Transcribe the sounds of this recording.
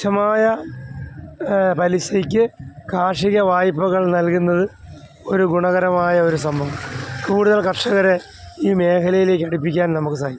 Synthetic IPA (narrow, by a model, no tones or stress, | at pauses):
ɐmaːjɐ | pɐliɕɐkʲːɨkʰaːʂiɣɐʋaːjpːɐɣɐɭnɐlkunːɐðɨ | o̞ɾuɡuɳɐɣɐɾɐmaːjɐo̞ɾus̬ɐmbʱɐʋɐmkuːɽuðɐlkɐrʂɐɣɐɾe | iːme̞ːkʰɐlɐjile̞ːkːɐɽip̬ːikʲːaːnnɐmukːɨsaːji